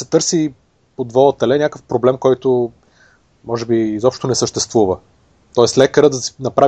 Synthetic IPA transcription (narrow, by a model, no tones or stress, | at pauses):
sɛt̪ɤɾsi | pod̪vɔt̪ɛlɛnʲakəfpɾoblɛmkɔjt̪o | mɔʒɛbiːzɔpʃt̪onɛsəʃt̪ɛst̪vuvə | t̪ɔɛslɛkəɾəd̪ɐ̥nɐpɾa